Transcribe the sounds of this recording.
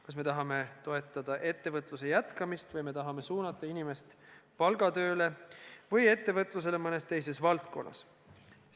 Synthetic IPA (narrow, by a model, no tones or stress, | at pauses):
kɑsme̞t̪ɑɦɑme̞t̪o̞e̞t̪ːˑɑd̪̥ɑʔe̞t̪ːe̞vɤt̪ˑluse̞jæt̪kɑmist̪vɤjme̞t̪ɑɦɑme̞suːnɑt̪ːˑɑinime̞st̪pɑlɡ̥ɑt̪ø̞ːle̞vɤje̞t̪ːe̞vɤt̪ˑlus̬e̞lemɤne̞st̪e̞jse̞svɑlt̪ko̞̰nːʔɑ̰s